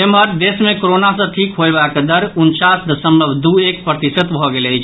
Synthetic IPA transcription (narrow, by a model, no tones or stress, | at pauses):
emɦəɾd̪esmekoɾonasə̃ʈʰikɦoebakd̪əɾunt͡ʃasd̪əsəmbəbʱd̪uek̚pɾət̪isət̪bʱɔɡeləjt͡ʃʰ